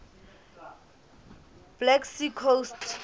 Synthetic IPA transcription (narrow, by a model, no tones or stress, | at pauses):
b̥lɛksikʰost